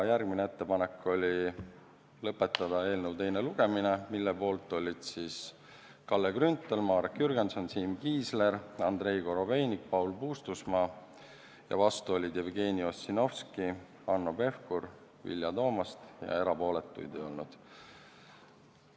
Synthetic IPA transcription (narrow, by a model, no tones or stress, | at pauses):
jærɡ̚minee̞t̪ːe̞pɑne̞kːˑo̞lʲi | lɤpːˑe̞t̪ːˑɑd̪̥ɑe̞ːlnəwt̪e̞jneluɡ̥e̞minemilːe̞po̞ːlt̪ːˑo̞lʲːid̪̥siːs | kɑlːeɡrynt̪ːˑelmɑːɾekjyrɡ̥enso̞nsiːmkiːsle̞ɾɑnd̪ɾe̞jɡo̞ɾo̞ve̞jnik̚pɑwlpuːst̪usmɑː | jɑ̰vɑst̪uo̞lʲid̪̥jevɡe̞ːniosːino̞fski | ɑnːope̞fkuɾ | vḭljɑt̪o̞ːmɑst̪jɑ̰e̞ɾɑpo̞ːlet̪ˑːṵjd̪e̞jo̞̰lnud̪̥